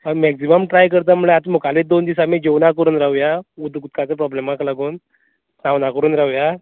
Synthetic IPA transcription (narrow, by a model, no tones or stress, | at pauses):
əmɛksiməmʈɾajkəɾt̪amuɭeat̪mukaled̪ond̪isamid͡ʑewnakəɾuːnɾaʋjaud̪ʱkut̪̚kat͡səpɾɔblemaklaɡuːn | sawnakəɾuːnɾawja